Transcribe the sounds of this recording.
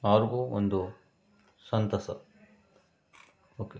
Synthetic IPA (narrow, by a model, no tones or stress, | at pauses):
ɐʋɐɾɡuːo̰nd̪u | sɐnt̪ɐsɐ̰ | oːkeː